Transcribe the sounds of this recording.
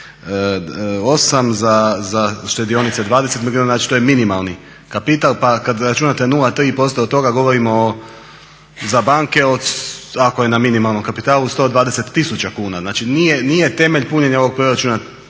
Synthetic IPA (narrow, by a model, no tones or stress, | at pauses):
o̞samzazaʃt̪e̞d̪io̞nit̪sed̪ʋaːd̪ese̞t̪miɡunaznaːt͡ʃi̥t̪oje̞minimalˠni | kapit̪alˠpakad̪ɾat͡ʃunat̪enulˠat̪ɾiːpo̞st̪ot̪ːo̞ɡaɡo̞ʋo̞ɾimo | zabaːŋke̞o̞d̪akoje̞naminimalno̞mkapit̪aːlˠust̪od̪ʋaːd̪e̞se̞t̪ːisut͡ɕakuːnaznaːt͡ʃinije̞nije̞t̪e̞me̞ʎpuɲe̞ɲaoʋo̞ɡ̚pɾoɾat͡ʃuna